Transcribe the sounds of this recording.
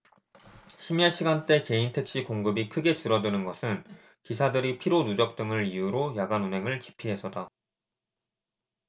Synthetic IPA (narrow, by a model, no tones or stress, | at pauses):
ɕʰimjaɕ͈ʰiɡant͈e̞ke̞intʰek̚ɕ͈ikoŋɡɯbikʰɯɡe̞t͡ɕɯɾʌdɯnɯnɡʌsʰɯn | kisʰadɯɾipʰiɾonud͡ʑʌk̚t͈ɯŋɯɾijuɾojaɡanunɦe̞ŋɯɭki̥pʰiɦe̞sʰʌda